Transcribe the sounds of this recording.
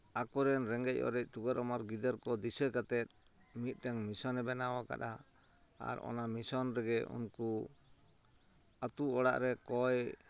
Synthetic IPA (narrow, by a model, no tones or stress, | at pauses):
akɔɾɛnɾɛŋɡɛc̚ˀɔ̰ɾɛc̚ˀt̪uɡəɾɔmaɾɡid̪əɾkɔd̪isəkat̪ɛt̪̚ | mit̪̚ˀt̪ɛŋmisɔnɛbɛnawɔka̰ɗa | a̰ɾɔ̰namisɔnɾɛɡɛṵnku | at̪uɔɽa̰ʔɾɛkɔj